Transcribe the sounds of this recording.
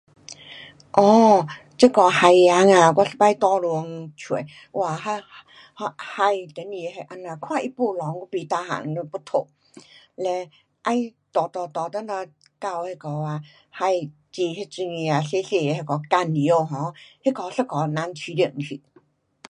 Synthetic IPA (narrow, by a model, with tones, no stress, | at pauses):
ʔɔ˧˩t͡sə˦˥kɔ˨˧ha˧ja˨˧˦ŋa˧˨kwa˧ɬə˧pa˧˦jt̪ɔ˧lu˧ə˧ŋt͡ɕʰwi˨˦ | wa˨˩ɦa˧ | hha˧jt̪e˨˦ni˧˨˧he˧ʔa˧na˧kʰwa˧˨ʔi˦˧pu˧˨lɔ˨˦ŋku˧˦pi˧t̪a˧ɦa̰˨˦ŋu˧pu˦t̪ʰo˧˨ | lɛ˧ | ʔa˧jt̪ɔ˨t̪ɔ˨˧t̪ɔ˨t̪ə˦na˧ | ka˧˨whe˧kɔ˨˧a˧ | ha˧j | t͡ɕi˧he˦˧t͡si˧ŋi˧a˨ɬe˧˦ɬe˧˨˧he˧kɔ˨˧ka˧˩ni˨˦o˧ɦɔ̃˨˦he˦˥kɔ˧ɬə˦˧kɔ˨˧˦na˧˦nt͡ɕʰi˧˦di˧˩˨ŋsʰḭ˧˨